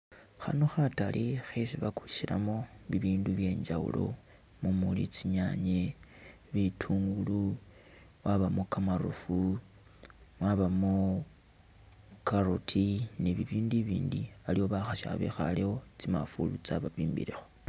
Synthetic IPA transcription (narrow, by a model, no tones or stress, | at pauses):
xa̰noxatalʔixesiβaku̥i̥ʃiɾa̰mo̞βiβiːnduβje̞ːɲd͡ʒawṵlo̞̰ | mumulit͡siɲaɲe | βitʰuːŋɡulu | mwʔaβamokamaɾṵfu | mwaβamo | kaɾotʰineβiβiːndiβiːndialio̞βaxaʃa̰βḛxa̰leo̞t͡sima̰fulut͡saβaβiːmbḭɾexo